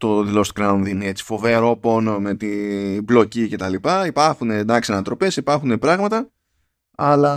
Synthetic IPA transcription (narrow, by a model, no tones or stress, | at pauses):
t̪o̞ðilo̞st̪u̥kɾɐunðinee̞t͡si̥fo̞veɾo̞po̞nme̞t̪iblo̞cice̞t̪ɐlipɐipɐɾxune̞d̪ɐksiɐnɐt̪ɾo̞pe̞sipɐɾxune̞pɾɐɣmɐt̪ɐ | ɐlɐ